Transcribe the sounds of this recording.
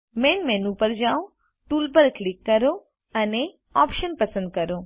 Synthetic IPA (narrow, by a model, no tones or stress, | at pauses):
menmɛ̃nũpəɾd͡ʒaũ | ʈuːlpəɾklikːəɾo | əne | ɔpʃənpəsə̃nd̪̚kəɾo